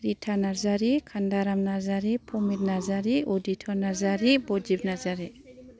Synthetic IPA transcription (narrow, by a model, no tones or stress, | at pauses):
ɾitʰanaɾzaɾikʰandaɾamnazaɾipʰɔmit̚nazaɾiɔditʰɔɾnazaɾibɔd͡ʒibnazaɾi